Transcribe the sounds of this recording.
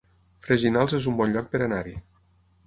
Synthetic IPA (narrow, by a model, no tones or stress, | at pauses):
fɾeʒinalˠzezumbɔnʎɔk̚peɾanaɾḭ